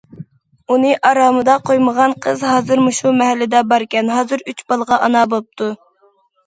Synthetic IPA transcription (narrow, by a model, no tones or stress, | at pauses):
unɨʔɑɾɑːmɨd̪ɑqʰojməʁɑnqʰəzɦɑːzɨɾmuʃumɛɦɛlːɪd̪ɛbɑɾkʲɛnɦɑːzɨɾyt͡ʃbɑlˠəʁɑʔɑnɑbop̚t̪ʰu